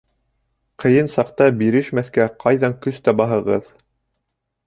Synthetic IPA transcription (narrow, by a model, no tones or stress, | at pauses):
qʰɤ̆jɤnsɑqt̪ɑbiɾɘʃmæθkæqʰɑjðɑŋkɵst̪æbɑɦɤ̆ʁɤð